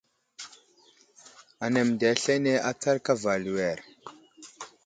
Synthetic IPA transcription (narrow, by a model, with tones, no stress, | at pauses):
a˨ne˨mda˨˦ɬe˦ne˦ʔa˦t͡sa˦ɾka˦va˨lu˨wɛ˨ɾ